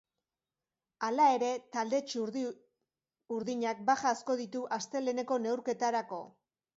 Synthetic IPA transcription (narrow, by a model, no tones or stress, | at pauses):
alae̞ɾe̞t̪ald̪e̞t͡ʃɾ | uɾðiɲak̚baxaːsko̞ðit̪uʔast̪e̞lene̞ko̞ne̞wɾke̞t̪aɾako̞̰